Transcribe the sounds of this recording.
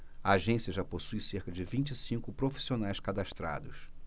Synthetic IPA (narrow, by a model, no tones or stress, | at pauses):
ɐaʒẽsiɐʒaposujseɾkɐd͡ʒɪvĩnt͡ʃɪisĩkʊpɾofi̥sionajskad̪aʃt̪ɾa̰d̪ʊs